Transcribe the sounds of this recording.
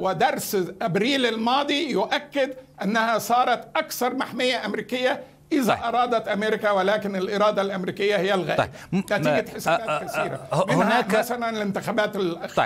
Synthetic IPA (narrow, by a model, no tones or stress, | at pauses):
wɪd̪ɑɾˤsʔabɾiːlɪlmɑːd̪ˤijʊʔakːɪd̪ʔanːahasˤɑːɾˤɑt̪ʔakθɑɾˤmaħmɪjːaʔamɾiːkɪjːa | ʔɪðaʔɑɾˤɑːd̪ɑt̪ʔameːɾɪkawɪlaːkɪnɪlʔɪɾˤɑːd̪ˤɑlʔamɾiːkɪjːahɪjːalɣaː | nat̪iːɡaħɪsabaːt̪kaθiːɾa̰mɪnnhːmasalanɪlɪnt̪ɪxaːbaːt̪ɪlʔ